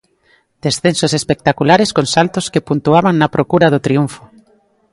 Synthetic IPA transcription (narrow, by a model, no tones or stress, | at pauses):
d̪̥esθensosespek̚t̪akulaɾeskoŋsalt̪oskepunt̪uaβaŋnɐpɾokuɾaðʊt̪ɾiuɱfo